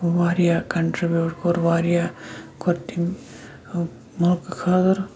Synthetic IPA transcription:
ʋaːɾijakɐɳʈɾibjuːʈkoɾʋaːɾijaːkʰoɾt̪im | mɐlkkʰaːd̪ɐɾ

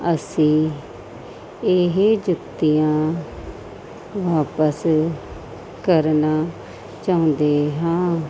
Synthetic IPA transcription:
əsĩː | eɦeːd͡ʒʊt̪ːijãː | ʋaːpəs | kəɾnaː | t͡ʃaːʊ̃nd̪eːɦãː

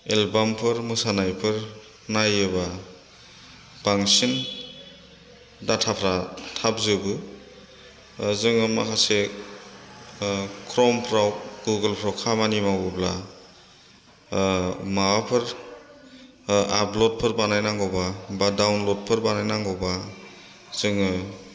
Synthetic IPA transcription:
elbampʰɯɾmɯsanajpʰɯɾ | najɯba | b̥aŋsin | datʰapʰɾatʰap̚zɯbɯ | zɯŋɯma̰kase | kʰɾɔmpʰɾawɡuɡəlpʰɾawkʰamanimawbɯpla | mawapʰɯɾ | ap̚lɔt̚pʰɯɾbanajnaŋɡɔwbabadawnlɔt̚pʰɯɾbanajnaŋɡɔwba | z̥ɯŋɯ

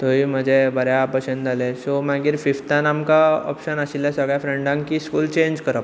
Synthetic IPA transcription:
t̪oim̤əd͡ʑebəɾjapəɕənd̪alesomaɡiːɾfift̪anamkaɔ̰pɕənaɕiljasəɡɭjafɾeɳɖãŋkkiːskuːlt͡ɕẽɲd͡ʑkəɾəp

